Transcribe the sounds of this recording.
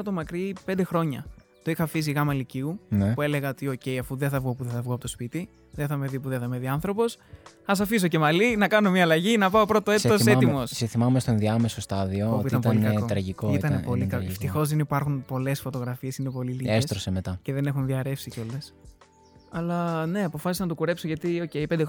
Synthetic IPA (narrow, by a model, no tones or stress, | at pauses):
ɐt̪omɐkɾipe̞nd̪e̞xɾo̞ɲɐ̰ | t̪oixɐfis̬iɣɐmɐliciunue̞leɣɐot̪io̞ce̞jɐfuðeθɐvɣopuðeθɐvɣoɐpot̪o̞spit̪i | ðeθɐme̞ðipuðeθɐmeðiɐnθɾo̞po̞s | ɐs̬ɐfis̬o̞ce̞mɐlinɐkɐnomiɐːlɐʝinɐpɐopɾot̪oetoset̪imo̞sseθimɐumest̪oenðiɐmesost̪ɐðioopoit̪ɐmt̪ɐolikɐkot̪ɾɐʝikoit̪ɐnepo̞likɐeft̪ixo̞zðenipɐɾxunpo̞le̞sfo̞t̪o̞ɣɾɐfie̞sine̞po̞liliesest̪ɾosemet̪ɐce̞ðe̞ne̞xunðiɐɾe̞fsiceo̞les | ɐlɐne̞ɐpo̞fɐsisɐnɐt̪okuɾe̞psoʝɐt̪io̞ce̞ipend̪ex